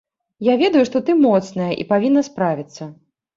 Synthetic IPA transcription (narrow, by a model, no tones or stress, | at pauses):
javʲɛd̪ɐjuʂt̪ɔt̪ɨmɔt̪snɐjɐʔḭpavʲinːɐspɾavʲit̪sːɐ